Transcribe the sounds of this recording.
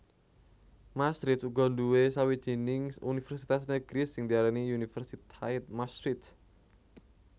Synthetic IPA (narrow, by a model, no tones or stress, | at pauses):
mast̪ɾit̪̚suɡɔ̤nduwesawid̥ʒ̥i̤nɪŋunifɛrsit̪as̬nəɡ̥ɾisɪŋd̪iaɾaniunifərsit̪ʰait̪̚mast̪ɾit̪